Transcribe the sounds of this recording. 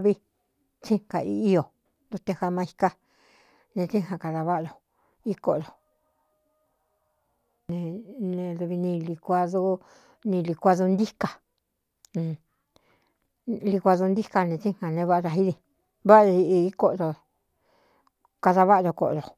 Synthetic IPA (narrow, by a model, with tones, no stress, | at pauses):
βi˦ | t͡ʃĩ˦ŋka˨ḭː˦˧˦jo˨ | nd̪u˧t̪e˧ha˧mã˧i˧ka˦ | nẽ˧t͡ʃĩ˦˨hã˧ka˧ða˧βa˦ʔɾo˨ | i˦ko˧ʔɾo˨ | nẽ˧nẽ˧ðu˧βi˧nĩ˧li˧kʷa˧ðu˦ | nĩ˧li˧kʷa˧ðu˧nd̪i˦ka˨ | ñ˧˨ | li˧kʷa˧ðo˧nd̪i˦ka˧nẽ˧t͡ʃĩ˦hã˨nẽ˧βa˦ʔɾa˧ɦi˦ðĩ˧˨ | βa˦˧i˧i˧i˦ko˦ʔɾo˧˨ | ka˧ða˧βa˦ʔɾo˧ko̰˧˨ʔɾo˨